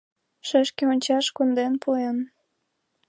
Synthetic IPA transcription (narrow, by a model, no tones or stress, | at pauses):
ʃəʃkeonʲt͡ɕɑʃkund̪enpuen